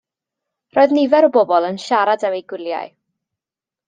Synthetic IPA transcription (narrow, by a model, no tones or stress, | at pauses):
rɔːɨðnivɛɾɔbobɔlˠənʃaɾadəmejɡwɪlˠja̰j